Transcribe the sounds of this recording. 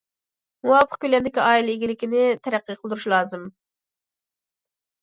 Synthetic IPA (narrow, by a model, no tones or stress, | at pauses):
muwɑpʰə̥χkʲylɛnd̪ɪkʲiɑːilˠeɡʲilɪkʲinɪt̪ʰɛɾæqːɨjqʰəlˠd̪ɾuʃlˠɑːzɨm